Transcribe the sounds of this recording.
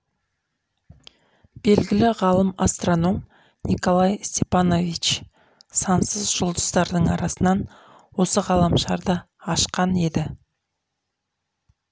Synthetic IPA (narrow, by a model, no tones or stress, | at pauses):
b̥e̞lɡʲɪlɪʁɑlˠəmast̪ro̞no̞m | niko̞lˠɑjst̪ʲe̞pano̞vit͡ʃ | sɑnsəzʒʊlˠd̪əz̥t̪ɑɾd̪əɴɑɾɑsənɑn | wo̞səʁɑlˠɑmʃɑɾd̪ə | ɑʃqɑne̞d̪ɪ